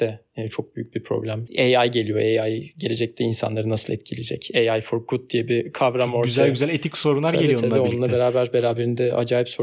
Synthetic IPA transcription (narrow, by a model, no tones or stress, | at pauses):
d̪ɛːt͡ʃʰo̞k̚b̥yjyc̚bipʰɾo̞̰blʲæmejajɟe̞lʲijo̞̰ʔejajɟe̞lʲe̞d͡ʒɛc̚t̪ʰɛinsa̰nlˠaɾɯnasɯlˠɛ̰t̪cʰilʲed͡ʒɛ̰cejajfuɾkʰut̪̚d̪ijɛbikʰavɾamo̞ɾyzʰæalɟyzælʲet̪icso̞ɾunlˠaɾlɛioevɛonunˠabeɾaːbæɾbe̞ɾaːbe̞ɾind̪ɛa̰d͡ʒaːjipso